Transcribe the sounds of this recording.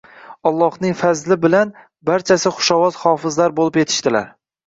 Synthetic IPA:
ɒlˠːɒhnɪŋfazlɪbɪlan | baɾt͡ʃʰasɪχʊ̥ʃɒvɒzhɒːfɪzlaɾbolɪpje̞t̪ʰɪ̥ʃt̪ɪla̰ɾ

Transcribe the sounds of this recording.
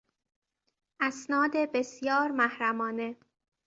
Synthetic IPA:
ʔæsnɒːd̪ebe̞sjɒːɾmæhɾæmɒːne̞

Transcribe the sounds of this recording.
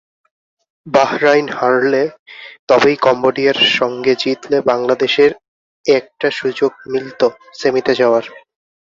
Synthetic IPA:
bahɾajnhaɾlet̪ɔbejkɔmboɖiaɾʃɔŋɡed͡ʑit̪lebaŋlad̪eʃeɾ | ɛk̚ʈaʃud͡ʑoɡ̚milt̪o | semit̪ed͡ʑaoaɾ

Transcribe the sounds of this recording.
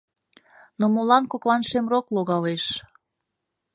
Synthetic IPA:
nomolɑnkokβɑnʃemrokloɣɑleʃ

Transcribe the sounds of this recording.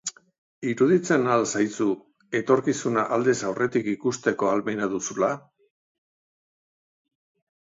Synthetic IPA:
iɾuðit͡se̞nalsajt͡su | e̞t̪o̞ɾkisunaʔald̪esawrʔe̞t̪ikikust̪e̞ko̞almejnaðusula

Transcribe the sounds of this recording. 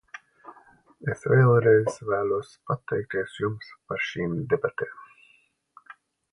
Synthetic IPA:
esvʲeːɛlˠɾɛjzvæːluɔspat̪ːɛjk̚t̪iɛsjumspaɾʃiːmd̪ɛbat̪eːm

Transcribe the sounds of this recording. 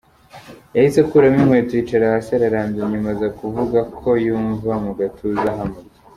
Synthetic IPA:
jahisekuɾamimwetwiːt͡ʃaɾahasaɾaɾaːmɟeɲimazakuvuɡakʰo̞juːɱvamuɡatʰuzaɦame

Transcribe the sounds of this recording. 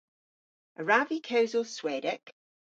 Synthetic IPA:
əɹavikʰəʊzəlˠswɛːdək

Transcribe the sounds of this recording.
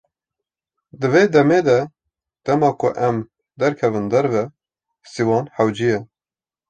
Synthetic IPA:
d̪ɨveːd̪ɛmeːd̪ɛ | d̪̥ɛmɑːkʰʊʔɛm | d̪ɛɾkʰɛvɨnd̪ɛɾvɛ | siwɑːnħɛwd͡ʒijɛ

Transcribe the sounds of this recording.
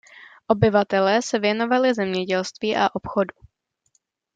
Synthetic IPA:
ʔo̞bɪvat̪ɛlɛːsɛvjɛno̞valɪzɛmɲɛɟɛlst̪viːʔaʔo̞pxo̞du

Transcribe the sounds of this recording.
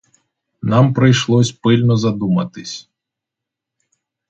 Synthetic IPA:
nampɾɨjʂlˠɔsʲpɨlʲnɔzad̪umɐt̪ɨsʲ

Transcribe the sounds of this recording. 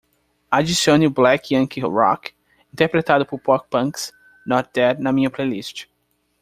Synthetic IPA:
ad͡ʒisiõniʊblɛkjɐ̃ŋkʰiɾɔ̰k | ĩnt̪eɾpɾet̪ad̪ʊpʊɾpɔk̚pɐ̃ŋks | nɔɾt̪ɛɾnɐmĩɲɐplelist͡ʃɪ̥

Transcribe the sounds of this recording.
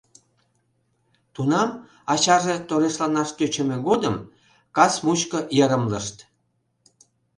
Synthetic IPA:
t̪unɑm | ɑt͡ɕɑʒet̪oɾeslɑnɑʃt̪øt͡ɕə̆mĕɡod̪əm | kɑsmut͡ɕkəjəɾəmləʃt̪

